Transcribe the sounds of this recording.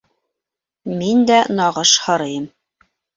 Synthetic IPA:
mind̪ænɑʁɤʃhɤ̆ɾɤjɤm

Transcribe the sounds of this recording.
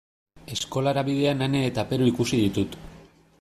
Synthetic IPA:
e̞sko̞laɾaβið̞e̞anane̞ːt̪ape̞ɾuikusiðit̪ut̪

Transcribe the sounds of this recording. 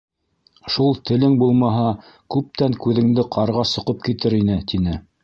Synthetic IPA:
ʃulˠt̪ɘ̆lɘŋbulˠmɑɦɑ | kʉp̚t̪æŋkʉðɘ̆ŋd̪ɘqʰɑɾʁɑsŏqɤp̚kit̪ɘɾinɘt̪inɘ

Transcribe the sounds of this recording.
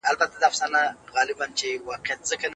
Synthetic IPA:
albat̪ad̪əafsɑnaɣɑlɪbant͡ʃewɑqɪjat̪̚z̥əka

